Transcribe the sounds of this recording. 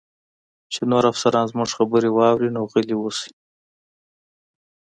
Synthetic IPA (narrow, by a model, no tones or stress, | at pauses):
t͡ʃenoɾafsaɾɑnzmʊʐxabəɾewɑwɾinoɣəliwosi̥